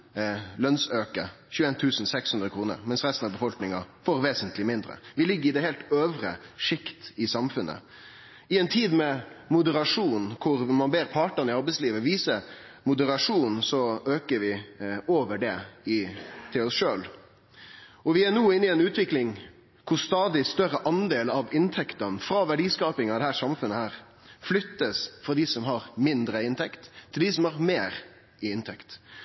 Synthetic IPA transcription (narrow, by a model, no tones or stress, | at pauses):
lœnsøːkə | çʉːeːnt̪ʰʉːsn̩sɛkshʉnd̪ɾəkʰɾuːnə̰ɾmɛnsɾɛst̪n̩ɑbəfɔlknɪŋɑfoɾʋeːsənt̪ʰlɪmɪnd̪ɾə̰ʋɪlɪɡːəɾɪd̪ɛɦɛːlt̪øːʋɾə̰ʂɪkt̪ɪsɑmfʉnʔə̰ | ɪɛnt̪ʰiːd̪mɛmʊd̪əɾɑʂuːnkʰʊɾmɑnbeːɾpʰɑːʈənɪɑɾbɛɪsliːʋəʋiːsə | mʊd̪əɾɑʂuːnn̩sɔøːkəɾʋɪoːʋəɖɛɪt̪ʰɪlɔsʂøːl | ɔʋɪænuːɪnːɪɛnʉːt̪ʋɪklɪŋ | kʰʊɾst̪ɑːd̪ɪst̪œɾəʔɑnd̪eːlɑʋɪnt̪ʰɛkt̪ənfɾɑːʋæɖiːskɑːpɪŋɑʋd̪ɛhæːɾʂɑmfʉnːəhæːɾ | flʏt̪ːəsfɾɑd̪ɪsɔmɦɑɾmɪnd̪ɾəɪnt̪ʰɛkt̪ʰːɪld̪ɪːsɔmhɑɾmeːɾ | ɪɪnt̪ʰɛkt̪